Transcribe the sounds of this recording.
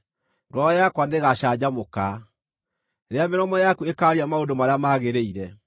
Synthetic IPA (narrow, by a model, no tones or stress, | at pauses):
ŋɡɔɔjakwandeɣaʃad͡ʑamoka | ɾeameɾɔmɔjakuekaɾiamaodomaɾeamaɣeɾeiɾɛ